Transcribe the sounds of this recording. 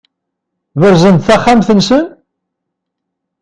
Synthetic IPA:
ðəɾzənd̪θæχːamθənsən

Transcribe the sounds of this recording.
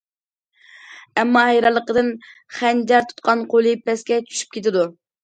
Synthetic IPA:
ɛmːɑhɛjɾɑlˠːəqəd̪ɨnχænd͡ʒɛɾt̪ʰu̥t̪̚qʰɑnqʰolˠɨpɛskʲɛt͡ʃʰy̥ʃy̥p̚kʲet̪ɪd̪u

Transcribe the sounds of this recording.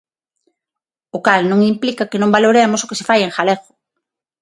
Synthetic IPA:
ʊkalnõŋimplikakɪnõmbaloɾemosʊkesefajeŋxaleɣʊ̥

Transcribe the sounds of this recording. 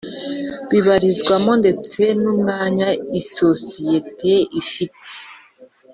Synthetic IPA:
βiβaɾizɡwamo̞nde̞t͡se̞numŋaːɲaiso̞sije̞te̞ifitʰe̥

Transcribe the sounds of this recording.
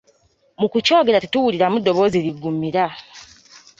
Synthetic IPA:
mukuco̞ːɡe̞ɾatetuwuliɾamudːo̞βo̞ːziɾiɡːumiɾa

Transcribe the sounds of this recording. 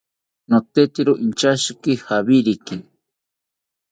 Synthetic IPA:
not̪et̪iɾoʔint͡ʃaʃikihaβiɾiki

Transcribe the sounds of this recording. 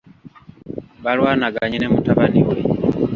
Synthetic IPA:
βalwaːnaɡaɲinemutaβaniwḛ

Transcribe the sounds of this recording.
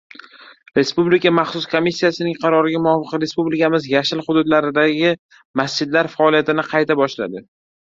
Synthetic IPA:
ɾe̞spublɪkamɑχsʊskʰomːisːijasɪnɪŋqʰɑɾɒɾɪɡʲamʊɒfɨqɾe̞spublɪkamɪzjaʃɪlχʊd̪ʊd̪laɾɪd̪aɡʲɪ | masd͡ʒɪd̪laɾfaɒlijat̪ɪnɪqʰɑjt̪ʰabɒʃla̰d̪ɪ

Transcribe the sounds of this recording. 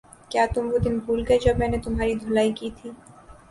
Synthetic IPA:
kjaːt̪ʊmʋod̪ɪnbʱuːlɡɐed͡ʒɐbmɛːnet̪ʊmɦaːɾid̪ʱolaːikiːt̪ʰiː

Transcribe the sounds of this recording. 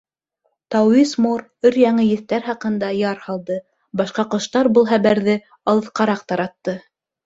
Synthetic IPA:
t̪ɑwismoɾ | ɵɾjɑɴɤjɘ̆θt̪æɾhɑqɤ̆nd̪ɑjɑɾhɑlˠd̪ɤ | bɑʃqɑqŏʃt̪ɑɾbɤlˠɦæβæɾðɘ | ɑlˠɤ̆θqɑɾɑqt̪ɑɾɑt̪ːɤ

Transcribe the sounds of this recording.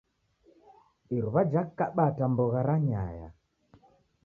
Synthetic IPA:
iɾuβad͡ʒakːaɓatambɔɣaɾaɲa̰ja̰

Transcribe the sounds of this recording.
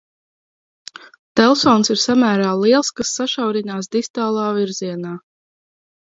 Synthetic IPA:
t̪ɛlˠsɔːnsiɾsamæːɾaːlˠiɛlˠskasːaʃawɾinaːs̬d̪ist̪aːlˠaːviɾziɛnaː

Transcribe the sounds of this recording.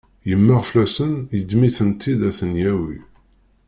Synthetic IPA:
jəmːəʁflæsənjəd̪miθənt̪ʰːid̪æθənjæwḭ

